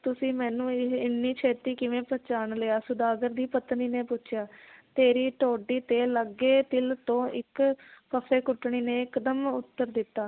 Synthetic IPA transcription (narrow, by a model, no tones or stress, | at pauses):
t̪ʊsĩːmɛːnũːɪɪnːiːt͡ʃʰeːt̪iːkɪʋẽːpɛːt͡ʃaːnleaːsʊd̪aːɡəɾd̪iːpət̪niːneːpʊt͡ʃʰjaːt̪eːɾiːʈoːɖiːt̪eːləɡːeːt̪ɪlt̪õːʔɪkkəfʰeːkʊʈːɳiːneːkəd̪əmʊt̪ːəɾd̪ɪt̪ːaː